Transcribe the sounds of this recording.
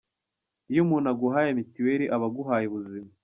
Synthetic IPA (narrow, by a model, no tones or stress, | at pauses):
ijumunaɡuɦaːjemitiweɾiʔaβaɡuɦaːjeβuzima